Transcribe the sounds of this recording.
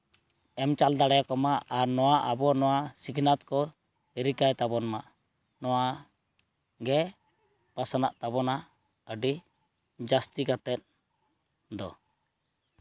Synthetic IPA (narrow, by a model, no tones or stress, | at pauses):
ɛmt͡ʃald̪aɽɛjakɔmaaɾnɔwaʔabɔnɔwasikʰnat̪kɔ | iɾikajt̪abɔnmaʔ | nɔwa | ɡɛ | pasanaʔt̪abɔna | əɖi | d͡ʒast̪ikat̪ɛt̪̚ | d̪ɔ